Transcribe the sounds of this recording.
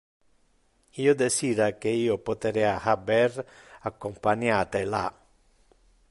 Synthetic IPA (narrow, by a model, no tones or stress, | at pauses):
iod̪esiːd̪akeiːopot̪eɾɛahabɛɾakːompaɲat̪ela̰